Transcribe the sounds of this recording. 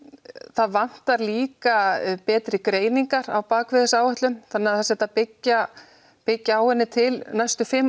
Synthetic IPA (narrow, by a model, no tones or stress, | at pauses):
θaðvan̥t̪aɾliːkapɛːt̪ɾɪkɾeːjniŋkaɾawpaːkʰvɪðɪsaːwhɛht̪lʏmθanːɪaðθasɛt̪apɪcːa | pɪcːaaːwɛnːɪt̪ʰɪlnajst̪ʏfɪmː